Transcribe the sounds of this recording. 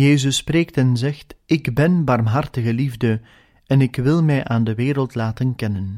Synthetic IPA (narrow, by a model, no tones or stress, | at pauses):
jeːzəspreːktɛnzɛxtɪɡbɛnbɑrmɦɑrtəɣəlivdə | ɛnɪkʋɪlˠmɛjʔaːndəʋeːɾəlˠtlaːtənkɛnən